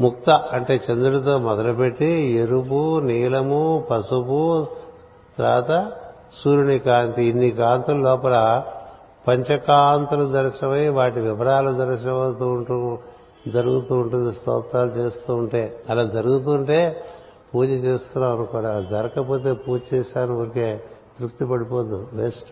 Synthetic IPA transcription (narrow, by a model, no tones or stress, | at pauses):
muk̚t̪ɐʔɐɳʈe̞ːt͡ʃɐnd̪uɽɐt̪̬o̞ːmɔd̪ɐlɐpe̞ʈːieɾup̬uniːlɐmupɐsupu | t̪ɾa̰ːt̪ɐ | suːɾunikaːnt̪iinːikaːnt̪ulɐlɔːpɐlɐ | pɐɲt͡ʃɐkaːnt̪ulud̪ɐɾʃinɐmɐjʋaːʈiʋiʋɐɾaːlud̪ɐɾiʃinɐmɐt̪uu | d͡ʒɐɾuɡut̪uːɳʈund̪ist̪ɔ̰ːt̪aːlut͡ʃeːst̪uːɳʈe̞ːɐlaːd͡ʒɐɾuɡut̪̬uːɳʈe̞ː | puːd͡ʒɐt͡ʃeːst̪unːaːʋɐnukuːɽaːd͡ʒɐɾɐkɐpo̞ːt̪̬e̞ːpuːd͡ʒt͡ʃɛːʃaːniɐɾɐkeːt̪ɾukt̪ipɐɽipoːnd̪uʋesʈ